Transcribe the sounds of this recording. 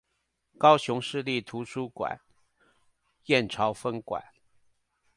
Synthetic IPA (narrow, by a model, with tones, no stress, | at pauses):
kɑ˥ʊɕʊ˧˥ŋʂɻ̩˥˧li˥˩t̪ʰu˧˥ʂʰu˥kwa̰˨˩˦n | jɛ˥˩nʈ͡ʂʰɑ˧˥ʊfə˥ŋkwa̰˨˩˦n